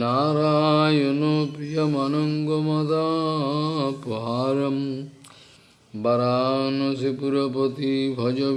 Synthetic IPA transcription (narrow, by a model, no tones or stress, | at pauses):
naːɾaːjonopɾijɐmɐnɐŋɡomɐt̪a | puɦaːɾɐm | bɐɾaːnosipuɾɐpot̪ibʱɐd͡ʒo